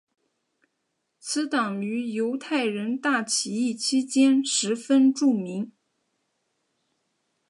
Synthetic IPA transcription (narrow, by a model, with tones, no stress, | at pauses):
t͡sʰɹ̩˧˥t̪ɑ˨˩ŋy˧˥jo˧˥ʊt̪ʰa˥˩ɪɻə˧˥nt̪a˥˩t͡ɕʰi˨˩i˥˩t͡ɕʰi˥t͡ɕjɛ˥nʂɻ̩˧˥fə˥nʈ͡ʂu˥˩mi˧˥ŋ